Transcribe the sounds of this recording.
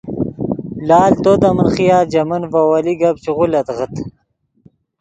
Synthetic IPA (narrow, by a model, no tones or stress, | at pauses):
laːlt̪ot̪amənχijaːd͡ʑɐmɐnvawaliɡɐbt͡ʃiʁulɐt̪ʁət̪